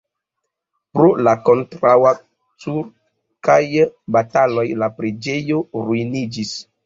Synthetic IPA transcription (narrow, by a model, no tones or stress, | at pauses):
pɾolako̞ntɾawa | t͡suɾ | kajbatalo̞jlapɾed͡ʒe̞jo̞ɾuinid͡ʒis